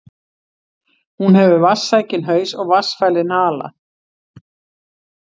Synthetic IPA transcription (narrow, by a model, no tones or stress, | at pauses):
hunɦɛvʏvasːajcɪnɦœːɥsɔɣvasfajlɪnaːla̰